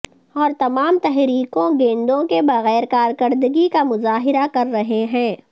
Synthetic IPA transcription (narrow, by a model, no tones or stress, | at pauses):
ɔːɾt̪ɐmaːmt̪ɛɦɾiːkõɡẽːnd̪õkebɐɣɛːɾkaːɾkɐɾd̪əɡikamʊzaːɦɪɾakɐɾːɐɦeɦɛ̃ː